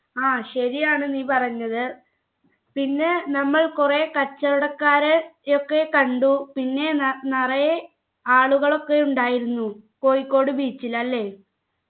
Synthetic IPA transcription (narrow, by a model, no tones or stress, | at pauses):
aːɕɐɾijaːɳɨniːpɐrɐɲːɐðɨ | pinːe̞nɐmːɐɭkurekɐt͡ɕːɐɾuɽɐkːaːɾeokːe̞kɐɳɖupinːe̞nɐrɐj | aːɭuɣɐɭo̞kːe̞uɳɖaːjiɾunːuko̞ːjikːo̞ːɽɨbiːt͡ɕːilɐlːe̞ː